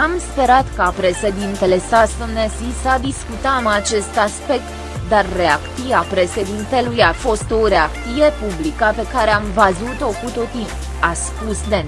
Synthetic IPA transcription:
amspe̞ɾat̪kapɾe̞ʃe̞d̪int̪e̞le̞sast̪əmnesisad̪iskut̪amat͡ʃe̞st̪aspe̞k̚t̪ | d̪arːe̞akt̪ijapɾe̞ʃe̞d̪int̪e̞lujafo̞st̪o̞ɾe̞akt̪sije̞publikəpe̞kaɾe̞amvəzut̪o̞kut̪ot̪i | aspusd̪e

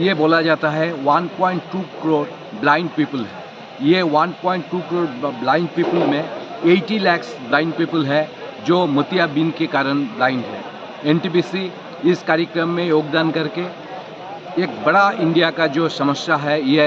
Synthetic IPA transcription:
jeboːlad͡ʒaːt̪aɦɛʋɐnpɔ̃ːɪ̃ɳʈːuːkɪɾoːɾ | blãːɪ̃ɳɖ̚piːpəlɦɛː | jeʋɐnpɔ̃ːɪ̃ɳʈʈːuːkɾoːɾblaːɪ̃ɳɖpiːpəlmẽeːʈilɛːksblãːɪ̃ɳɖ̚piːpəlɦɛ | d͡ʒoːmʊt̪ijabiːnkekaːɾəɽ̃blaːɪ̃ɳɖɦɛ̰ː | ɛ̃ːɳʈibiːsi | ɪskaːɾjəkɾəmːẽjoːɡd̪aːnkɐɾke | eːk̚bɐɽaɪ̃ɳɖijakad͡ʒoːsɐməsjaɦɛje

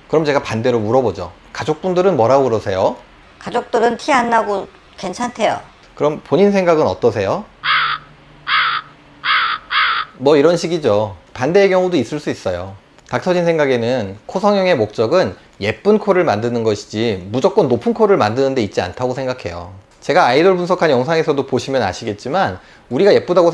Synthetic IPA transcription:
kɯɾʌmt͡ɕe̞ɡapande̞ɾomuɾʌbod͡ʑo | kad͡ʑok̚p͈undɯɾɯnmʌɾauɾʌsʰe̞jo | kad͡ʑok̚t͈ɯɾɯntʰianːaɡo | ke̞nt͡ɕʰantʰe̞jo̰ | kɯɾʌmpoɲinsʰe̞ŋɡaɡɯnʌt͈ʌs̬ʰe̞jo | mwʌiɾʌnɕʰiɡid͡ʑopande̞ːkjʌŋudois͈ɯɭs͈uis͈ʌjo | tak̚sʰʌd͡ʑinsʰe̞ŋɡaɡe̞nɯnkʰosʰʌŋjʌŋe̞mok̚t͡ɕ͈ʌɡɯn | je̞p̚p͈ɯnkʰoɾɯɭmandɯnɯnɡʌɕʰi̥d͡ʑimud͡ʑʌk͈̚ʌnːopʰɯnkʰoɾɯɭmandɯnɯnde̞it̚t͡ɕ͈ia̰ntʰaɡosʰe̞ŋɡakʰe̞̰jo̰ | t͡ɕe̞ɡaːidoɭpunsʰʌkʰanjʌŋsʰaŋe̞sʰʌdopoɕʰimjʌna̰ɕʰiɡe̞t̚t͡ɕ͈iman | uɾiɡaje̞p̚p͈udaɡo

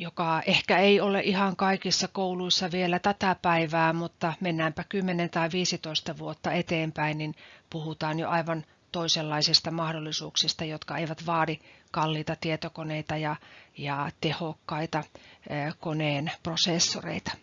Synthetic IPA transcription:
jokɑehkæeioleʔihɑŋkɑikisːɑkouluisːɑʋielæt̪æt̪æpæiʋæːmut̪ːɑmenːæːmpækymːenent̪ɑiʋiːsit̪oist̪ɑʋuot̪ːɑet̪eːmpæinninpuhut̪ɑːnjo̰ʔɑiʋɑn | t̪oiselːɑisist̪ɑmɑhdolːisuːksist̪ɑjot̪kɑeiʋæt̪ʋɑːdikɑlːiːt̪ɑt̪iet̪okoneit̪ɑjɑjɑt̪ehokːɑit̪ɑ | koneːnprosesːorḛit̪ɑ̥

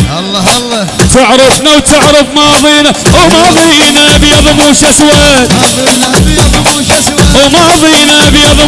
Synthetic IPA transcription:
t̪ɪʕɾɑbnawt̪ɪʕɾɑbmɑːðˤiːnamɑːðˤinabjɑðˤmuʃaswaːt̪ | mɑðˤiːnabjɑðˤ

